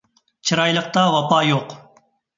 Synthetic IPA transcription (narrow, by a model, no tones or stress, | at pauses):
t͡ʃʰɨɾɑjlˠəq̚t̪ɑvɑpɑjoq